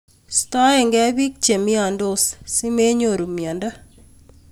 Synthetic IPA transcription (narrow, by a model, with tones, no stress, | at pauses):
sta˦e˨ŋɡɛ˦bi˦k̚t͡ʃe˨mi˦a˨ndo˦ssi˦me˦ɲo˨ɾu˨mi˨a˨nda˦